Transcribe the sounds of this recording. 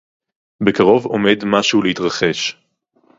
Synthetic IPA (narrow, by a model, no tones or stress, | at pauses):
be̞kaʁo̞vo̞med̪maʃuuleit̪ʁaχe̞ʃ